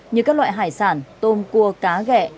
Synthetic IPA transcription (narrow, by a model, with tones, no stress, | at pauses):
ɲɨ˧kaː˦˥k̚lwa̰ː˧˨ɦaː˧˩jsaː˧˩nt̪o˧mku˧əkaː˨˦ɣɛ̰˧˨